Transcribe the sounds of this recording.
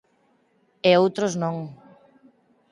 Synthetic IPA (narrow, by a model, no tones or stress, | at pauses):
eowt̪ɾoznõŋ